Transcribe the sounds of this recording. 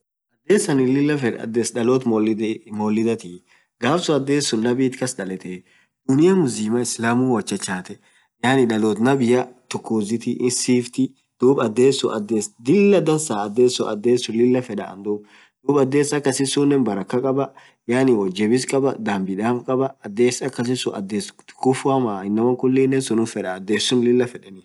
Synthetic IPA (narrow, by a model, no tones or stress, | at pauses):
ʔɐd̪ːe̞ːsɐnɪlɪlːɐfɛɐ̰d̪esᶑɐloːt̪mɔlɪmoːlːɪd̪ɐt̪i | ɡaːfsʊɐd̪ːeːsːʊnːɐbiːt̪kɐsᶑɐlɛt̪eː | d̪̥ʊnɪjɐmʊsɪːmɐɪslaːmuːwɔt͡ʃːɐt͡ʃːaːt̪ɛ | jaːnɪᶑɐloːt̪nɐbɪjɐt̪ʊkːuːzɪt̪ɪʔɪsiːft̪ɪ | d̪̥uːbɐd̪ːeːsːʊʔɐd̪ːeːsd̪ɪlːɐd̪ɐnsaːɐd̪ːeːsːʊʔɐd̪ːeːsːʊlɪlːɐfɛᶑɐ̰ɐ̰nd̪uːb | d̪̥uːbɐd̪ːeːsɐkːɐsɪsunːɛnbɐɾɐkːɐkʼɐbɐ | jaːnɪwɔd͡ʒɛbɪskʼɐbɐd̪aːmbɪd̪aːfkʼɐbɐɐd̪ːeːsɐkːɐs̬ɪsʊʔɐ̰d̪ːeːskʊfʊɐmaːɪnːɐmɐkʊlːɪnːɛnsʊnʊfɛᶑɐːd̪ːeːsʊnlɪlːɐfɛᶑɛnɪ